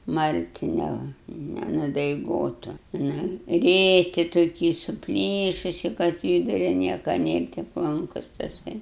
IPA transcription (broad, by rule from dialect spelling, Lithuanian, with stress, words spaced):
ˈmɐrʲtʲɪ ˈnʲɛ nʲɛnʊdɐɪˈɡoːtʊ ˈnʊ ˈrʲeːkʲɪ toːˈkʲɪ sʊˈpʲlʲiːʃʊsʲɪ kɐt ˈkʲiːbʲɪrɐ ˈnʲiɛkɐ ˈnʲeːr tʲɪk ˈlˠɐŋkʊs tɐˈsɐɪ